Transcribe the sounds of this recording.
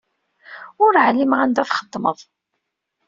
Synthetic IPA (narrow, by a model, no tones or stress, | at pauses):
ʊɾʕlːimʁænd̪æθχə̥d̪ˤːmə̰ðˤ